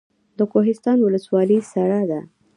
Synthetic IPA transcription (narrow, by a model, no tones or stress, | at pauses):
d̪əkoɦɪst̪ɑnwʊləswɑlisaɽad̪a